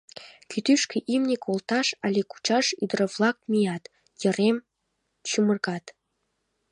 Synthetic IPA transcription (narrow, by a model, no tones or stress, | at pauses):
kʲʰyt̪yʃkʲeʔimnʲekolˠt̪ɑʃɑlʲeku̥t͡ɕɑʂyd̪rɤ̆flˠɑk̚mʲijɑt̪ | jĕrem | t͡ɕumɤ̆rɡɑt̪